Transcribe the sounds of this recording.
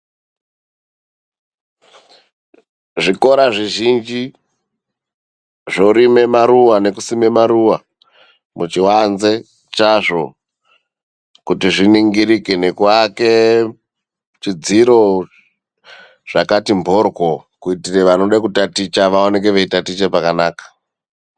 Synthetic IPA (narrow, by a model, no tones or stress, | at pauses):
ʐiko̞ɾaʐiʒind͡ʒi | ʐoɾime̞maɾuwane̞kusime̞maɾuwa | mʔut͡ʃiwanze̞ | t͡ʃaʐo̞ | kutiʐiniŋɡiɾikene̞kwake̞ | t͡ʃid͡ziɾo̞ | ʐ̥akatimbʱorɡokuitireʋano̞ɗakutatit͡ʃaʋaone̞k̬e̞ʋeitatit͡ʃepakanaːkḁ